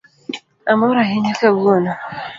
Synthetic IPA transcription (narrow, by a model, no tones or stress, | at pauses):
amɔɾaɦɪɲakɛbona